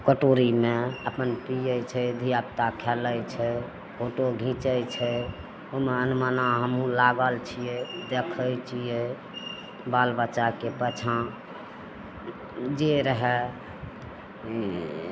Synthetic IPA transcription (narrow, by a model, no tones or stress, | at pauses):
kəʈoɾimeəpənpijəjt͡ʃʰɛd̪ʱijap̚t̪akʰɛləjt͡ʃʰɛ | hʰoʈoɡʱĩt͡ʃəjt͡ʃʰɛ | omeənumənaɦəmũlaɡəlt͡ʃʰijed̪ekʰəjt͡ʃʰije | balbət͡ʃakepət͡ʃʰã | d͡ʒeɾəɦɛ